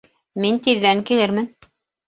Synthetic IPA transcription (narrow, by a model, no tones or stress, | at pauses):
mint̪iðːæŋkilɘɾmɘn